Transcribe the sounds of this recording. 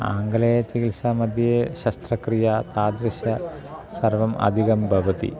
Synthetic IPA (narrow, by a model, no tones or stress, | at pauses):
a̰ːŋɡɐlɐjɐt͡ʃikilsaːmɐd̪ʱjeʃɐst̪ɾɐkɾijat̪aːd̪ɾiʃɐ | sɐrʋɐmɐ̰d̪ʱikɐmbʱɐʋɐt̪ḭ